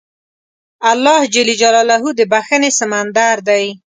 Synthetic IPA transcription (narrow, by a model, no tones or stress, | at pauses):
alːɑhd͡ʒalid͡ʒalɑlaɦud̪əbaxənesamand̪aɾd̪aj